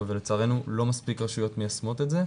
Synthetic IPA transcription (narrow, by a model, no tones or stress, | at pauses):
velet͡saʁe̞nulo̞maspikʁaʃujo̞t̪mejasmo̞t̪etze